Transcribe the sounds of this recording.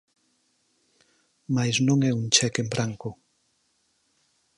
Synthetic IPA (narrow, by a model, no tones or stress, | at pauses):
majznõŋɛuŋt͡ʃɛkembɾʔaŋkʊ